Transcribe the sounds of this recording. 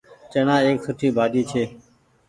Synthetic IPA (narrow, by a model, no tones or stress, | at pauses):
t͡ʃənãːeːksʊʈʰiːbʱaːɗiːt͡ʃʰeː